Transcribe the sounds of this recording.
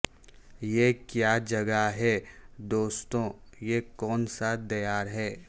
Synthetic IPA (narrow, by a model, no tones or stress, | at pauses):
jekjaːd͡ʒɐɡaɦɛd̪oːst̪õjekɔːnsad̪ɐjaːɾɦɛː